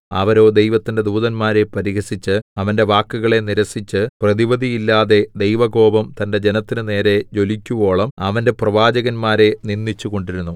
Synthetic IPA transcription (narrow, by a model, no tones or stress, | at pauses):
ɐ̰ʋɐɾo̞ːd̪ejʋɐt̪ːinde̞d̪uːðɐnmaːɾe̞pɐɾiɣɐsit͡ɕːɨɐʋɐnde̞ʋaːkːuɣɐɭe̞niɾɐsit͡ɕːɨprɐðiʋɐd̪ʱijilːaːðe̞d̪ejʋɐɡo̞ːbɐmt̪ɐnde̞d͡ʑenɐt̪ːinɨne̞ːɾe̞d͡ʑo̞likʲːuʋo̞ːɭɐmɐʋɐnde̞prɐʋaːd͡ʑɐɣɐnmaːɾe̞ninːit͡ɕːuɣo̞ɳɖiɾunːu